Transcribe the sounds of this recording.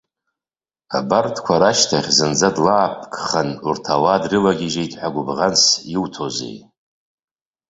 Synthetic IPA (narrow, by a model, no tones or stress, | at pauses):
abartʰkʷʰaɾaʃtʰaχʲzɨnd͡zadlaːpʰkʰʼχənurtʰawadrɨlaɡʲiʒejtʼħʷaɡʷʊbʁansjiwtʰozḛj